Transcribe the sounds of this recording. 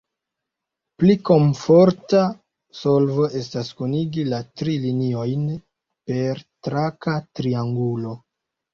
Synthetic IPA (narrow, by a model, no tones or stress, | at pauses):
pliko̞ɱfo̞ɾta | so̞lvo̞ʔe̞s̬taskuniɡilatɾilinio̞jn | pe̞ɾtɾakatɾiaŋɡulo̞